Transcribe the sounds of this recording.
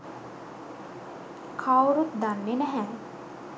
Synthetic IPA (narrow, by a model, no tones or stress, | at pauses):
kʰawɾut̪̚d̪anːenɛɦɛ̃